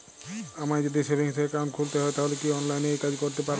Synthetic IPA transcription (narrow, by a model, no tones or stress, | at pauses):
amad͡ʑod̪isebiŋst̪ʰekekaɾonkʰult̪eɦɔet̪aɦolekiɔnlajnejkad͡ʑkoɾt̪epaɾ